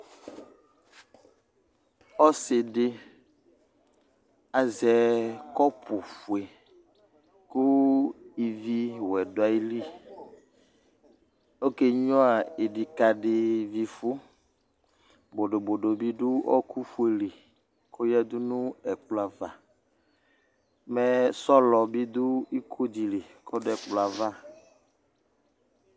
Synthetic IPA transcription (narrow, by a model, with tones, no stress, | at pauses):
ɔ˦sɪ˨ɖɪ˦ | a˨zɛ˨kɔ˦pʊ˨fu˨e˨ | kʊ˦i˨vi˦wɛ˨do˨a˨i˦li˦ | o˦ke˦ɲɔ̃˦a˨e˨ɖi˨ka˨ɖɪ˨vi˨fu˦ | bo˨ɖo˨bo˨ɖo˨bi˦ɖu˦ɔ̰˦kʰu˦fu˨e˨li˨ | ko˦jɛ˦d̪u˦nũ˦ɛ˨k͡pla˨va˨ | mɛ˨sɔ˦lɔ˨bi˦d̪u˦i˦kʰo˦d͡ʑi˨li˨kʰɔ˦dɛ˨k͡pla˨va˦